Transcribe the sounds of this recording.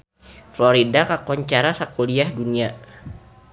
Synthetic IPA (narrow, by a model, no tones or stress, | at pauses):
flɔɾidakakɔɲt͡ʃaɾasakuliahdunia